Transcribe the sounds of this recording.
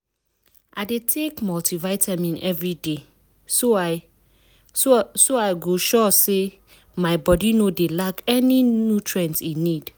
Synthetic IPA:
ʔaɪdetʰekmɔltivaɪtʰamĩnɛvɹide | so | soaɪɡoʃɔse | maɪbɔdinodelakɛninjutʰɹɛ̃ntinid̥

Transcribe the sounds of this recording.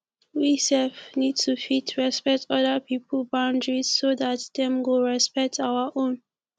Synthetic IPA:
wisɛlfnid̚tʰufitʰɹɛspɛk̚tʰɔdəpʰipəlbãʊ̃ndɹiz̥soðatdɛ̃mwoɹɛspɛk̚tʰaʊwəʔõn

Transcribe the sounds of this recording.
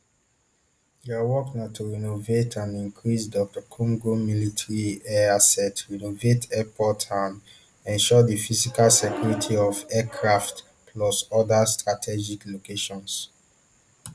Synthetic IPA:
jɛawɔknatʰuɹɛnovetʰãnĩŋkʰɹisdɔk̚takʰɔ̃ŋɡomilitʰɹiɛasɛtɹɛnovetʰɛpʰɔtʰãm | ɛ̃nʃɔdifisikalsekʰjuɹitʰiɔvɛkʰɹaft | pʰlɔsɔdastɹatʰɛd͡ʒiklokeʃɔ̃ns

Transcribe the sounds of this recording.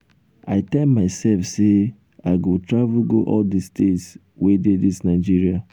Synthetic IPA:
aɪtɛlmaɪsɛlfse | aɪɡotɹavuɡo̰ʔɔldistʰets | wededisnaɪd͡ʒiɹia

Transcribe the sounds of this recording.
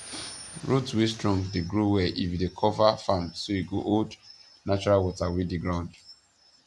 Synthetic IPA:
ɹutwistɹɔ̃ŋdeɡɹuwɛʔḭfdekʰɔvafãmsoiɡoʔod | nat͡ʃɔɹalwɔtawidiɡɹãʊ̃nd

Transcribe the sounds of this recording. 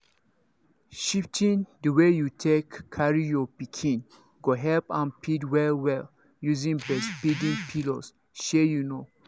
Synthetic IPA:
ʃiptʰĩndəwejutʰekʰːaɹijɔpikʰĩn | ɡoɦɛlpãnpʰidwɛlwɛl | juzĩŋbɛspidĩnpʰilos | ʃɛjuno

